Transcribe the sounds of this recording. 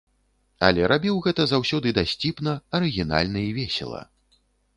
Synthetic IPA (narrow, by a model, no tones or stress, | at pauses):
ɐ̰lʲɛɾʔabʲiwɣɛt̪ɐzawsʲɔd̪ɨd̪asʲt͡sʲipnɐɐɾɨɣʲina̰lʲnɨjivʲɛsʲɛ̰lˠɐ̰